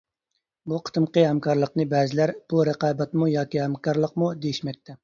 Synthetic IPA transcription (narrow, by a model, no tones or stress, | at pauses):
buqʰə̥t̪ʰɨmqəhæmkʰɑɾlˠəqnɨbɛːzɪlæɾb̥uɾəqɑːbɛt̪mujɑːkʲihɛmkʰɑɾlˠəqmud̪ejiʃmɛk̚ʲt̪ʰɛ